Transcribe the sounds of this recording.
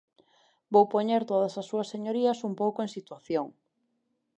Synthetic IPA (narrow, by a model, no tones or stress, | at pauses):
bowpoɲeɾt̪oðɐsɐsːuɐsːeɲoɾiɐsumpowkoẽŋsit̪waθjoŋ